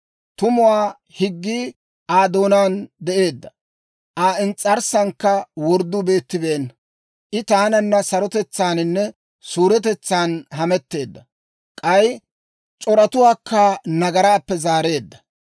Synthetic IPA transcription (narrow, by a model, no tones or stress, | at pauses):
t̪ʊmʊwaː | hɪɡːiː | ʔaːd̪o̞ːnaːnd̪ɛʔe̞ːd̪ːɐ | ʔaːɪnt͡sʼːɐɾsɐŋkːɐwɔɾd̪ːʊbe̞ːt̪ːɪbeːn | ʔɪt̪aːnɐnːɐsɐɾɔt̪ɛt͡sːaːnɪnːɛ | suːɾɛt̪̬ɛt͡sːaːnɦɐmɛt̪ːe̞ːd̪ːɐ | kʼɐj | t͡ʃʼɔɾɐt̪ʊwaːkʰːanɐɡɐɾaːpːɛzaːɾe̞ːd̪ːɐ̥